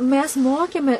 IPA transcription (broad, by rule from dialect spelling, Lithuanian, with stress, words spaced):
ˈmʲɛs ˈmoːkʲeːmʲɛ